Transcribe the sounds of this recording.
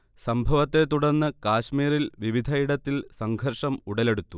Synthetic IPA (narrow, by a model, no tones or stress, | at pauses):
sɐmbʱɐʋɐt̪ːe̞t̪uɽɐnːɨkaːɕmiːɾilʋiʋid̪ʱɐjiɽɐt̪ːilsɐŋɡʱɐrʂɐmuɽɐle̞ɽut̪ːu